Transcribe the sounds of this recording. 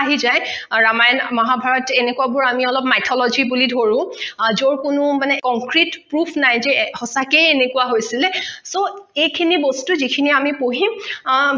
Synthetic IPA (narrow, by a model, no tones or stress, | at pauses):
aɦizajɹamajnmaɦabʱaɹɔtenekuabʊɹamiɔlɔpmajtʰɔlɔzʱibulidʱoɹʊ̃zoɹkʊnʊmanɛkɔŋkɹitpɹupʰnajzɛhɔsakejenekuwaɦojsilɛsoejkʰinibostuzikʰiniamipoɦim